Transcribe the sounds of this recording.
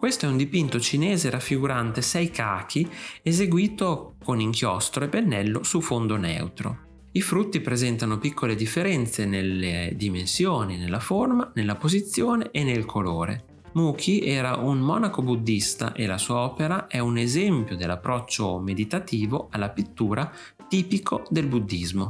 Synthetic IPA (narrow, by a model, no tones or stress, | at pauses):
kwest̪oɛund̪ipint̪ot͡ʃinɛːzeɾafːiɡuɾant̪esɛjkʰaːkʰiezeɡwiːt̪okoniŋkjɔst̪ɾoepːenːɛlːosufond̪onɛ̰wt̪ɾo̰ | ifɾut̪ːipɾezɛnt̪anopikːoled̪ifːeɾɛnt̪seneled̪imensjoːninelːaformanelːapozit̪sːjoːneʔenːelkʰoloːɾḛ | muːkʰiʔɛːɾaʔunmɔ̰ːnakobud̪ːist̪a̰ʔelasuːaɔːpeɾaʔɛunezɛmpjod̪elːapːɾɔt͡ʃːomed̪it̪at̪iːvoalːapit̪ːuːɾa | t̪iːpikʰod̪elbud̪ːizmo